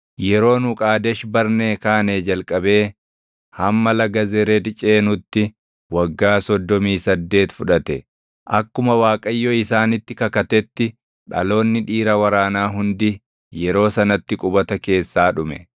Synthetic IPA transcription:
jɛɾo̞ːnʊkʼaːd̪ɛʃbɐɾneːkaːneːd͡ʒɐlkʼɐbe̞ː | hɐmːɐlɐɡɐzɛɾed̪ɪt͡ʃʼe̞ːnʊt̪ːɪ | wɐɡːaːsɔd̪ːɔmiːsɐd̪ːe̞ːt̪fʊᶑɐt̪ɛ | ʔɐkːʊmɐwaːkʼɐjːɔɪsaːnɪt̪ːɪkɐkɐt̪ɛt̪ːɪ | ᶑɐ̰lo̞ːnːɪᶑiːɾɐwɐɾaːnaːɦʊnd̪ɪ | jɛɾo̞ːsɐnɐt̪ːɪkʼʊbɐt̪ɐke̞ːsːaːᶑʊmɛ

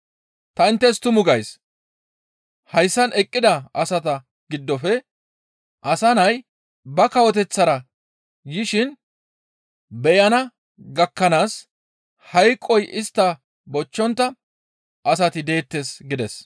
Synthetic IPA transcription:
t̪ɐɪnt̪ːɛst̪ʊmʊɡɐjs | hɐjsːɐnʔɛkʼːɪd̪ɐɐsɐt̪ɐ | ɡɪd̪ːɔfɛ | ʔɐsɐnɐj | bɐkɐwɔt̪ɛt͡sːɐɾɐ | jɪʃɪn | bɛjɐnɐ | ɡɐkːɐnaːs | hɐjkʼːɔjʔɪst̪ːɐ | bɔt͡ʃːɔnt̪ːɐ | ʔɐsɐt̪ɪd̪e̞ːt̪ːesɡɪd̪ɛs

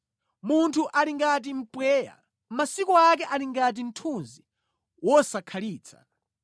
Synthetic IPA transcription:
muntʰuʔaliŋɡat̬im̩pwɛːja̰ | masikɔak̬ɛʔaliŋɡat̬in̩tʰunzi | wɔsakʰaliːt͡sʰa̰

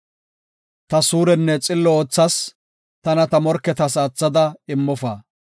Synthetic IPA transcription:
t̪ɐsuːɾɛnːɛt͡sʼɪlːɔoːt͡sːɐs | t̪ɐnɐt̪ɐmɔɾkːɛt̪ɐsɐt͡sːɐd̪ɐɪmːɔfaː

